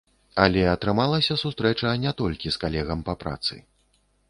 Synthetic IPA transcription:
ɐlʲɛɐt̪ɾɨmalˠɐsʲɐsust̪ɾɛt͡ʂɐnʲɛt̪ɔlʲkʲiskalʲɛɣɐmpɐpɾa̰t̪sɨ̰

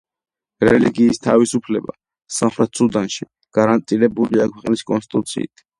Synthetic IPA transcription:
ɾɛliɡiːst̪ʰavisupʰlɛba̰ | samχɾɛt̪ʰsud̪anʃi | ɡ̥aɾant̪ʼiɾɛbuliakʰwɛqʼniskʼɔ̰nst̪ʼit̪ʼut̪sʰḭt̪ʰ

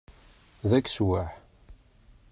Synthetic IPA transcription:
ðækːswaħ

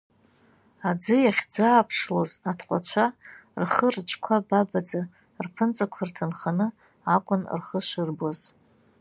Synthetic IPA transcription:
ad͡zɨjaχʲd͡zaːpʰʂlozatʰqʷʼa̰t͡ɕʷʰarχərt͡ʃʰʼkʷʰababad͡za | rpʰɨnt͡sʼakʷʰartʰanχanɨ | akʷʼʊn̰rχəʃɨrboz

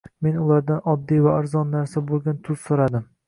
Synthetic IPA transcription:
me̞nʊlˠaɾd̪anɒd̪ːijvaaɾzɒnːaɾsabolˠɡʲant̪ʰʊzsoɾad̪ɪm

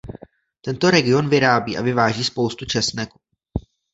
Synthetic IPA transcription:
t̪ɛnt̪o̞ɾɛɡɪo̞nvɪɾaːbiːʔa̰vɪvaːʒiːspo̞wst̪ut͡ʃɛsnɛku

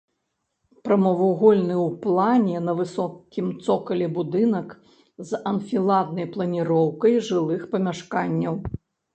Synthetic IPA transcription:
pɾɐmɐvuɣɔlʲnɨwplˠanʲɛnɐvɨsɔkʲimt̪sɔkɐlʲɛbud̪ɨnɐk | zɐnfʲilˠad̪nɐjplˠɐnʲiɾɔwkɐjʐɨlˠɨxpɐmʲaʂkanʲːɐw

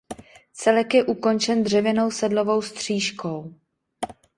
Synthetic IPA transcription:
t͡sɛlɛkjɛʔuko̞nt͡ʃɛnd̪r̝ɛvjɛno̞wsɛdlo̞vo̞wst̪r̝̥iːʃko̞w

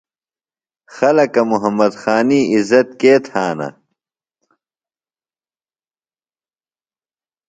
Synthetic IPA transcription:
xɐlɐkɐmuɦɐmːɐd̪xaːniːizɐt̪̚keːt̪ʰaːnɐ̰

